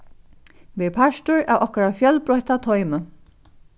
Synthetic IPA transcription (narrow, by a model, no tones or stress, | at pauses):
ʋɛɹpʰaʃt̪ʊɹa̰wʔɔhkʊɹafjœlbɾɔjht̪at̪ʰɔjmə